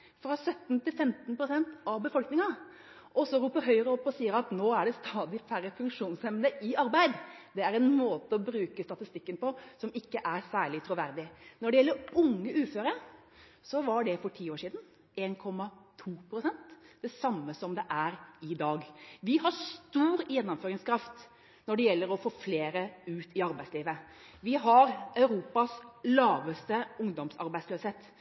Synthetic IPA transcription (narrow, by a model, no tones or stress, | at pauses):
fɾɑsœt̪ːnt̪ʰɪlfɛmt̪npʰɾʊsɛnt̪ɑʋbəfɔlknɪŋɑ | ʔɔsɔɾuːpːəɾɦœʏəɾəɔpːɔsiːəɾɑt̪noːæɖɛst̪ʰɑːd̪ɪfæɾəfʉŋkʂuːnsɛmd̪əʔɪɑɾbæɪd̪d̪ɛæɾɛnmoːt̪əɔbɾʉːkəst̪ɑt̪ɪst̪ɪkːənpɔsɔmɪkːəʔæɾsæːɭɪt̪ʰɾʊʋæɾd̪ɪnɔɖɛjɛlːəɾʊŋːəʉːføːɾəɾ | sɔʋɑɖɛfɔʈʰiːoːʂiːd̪n̩ | eːnkʰɔmːɑt̪ʰuːpʰɾʊsɛnt̪d̪̥ɛsɑmːəsɔmd̪ɛʔæɾɪd̪ɑːɡʋɪhɑɾst̪uːɾjɛnːɔmføːɾɪŋskʰɾɑft̪ | nɔɖɛjɛlːəɾɔfoːfleːɾəʉːt̪ɪɑɾbæɪsliːʋə | ʋɪɦɑɾœʉɾuːpɑslɑːʋəst̪əʊŋd̪ɔmsɑ̰ɾbæɪsløːsheːt̪